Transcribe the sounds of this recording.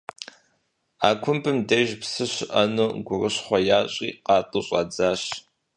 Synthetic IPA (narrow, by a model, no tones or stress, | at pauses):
aːkʷʰʊmpʰɨmdɐʒpsɨɕɪʔɐnuɡʷʊrɨɕχʷɔjaːɕʼiːqɑːtʼɨɕʼɑd͡zaːɕ